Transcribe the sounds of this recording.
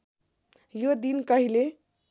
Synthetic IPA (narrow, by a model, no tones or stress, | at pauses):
jod̪inkəɦile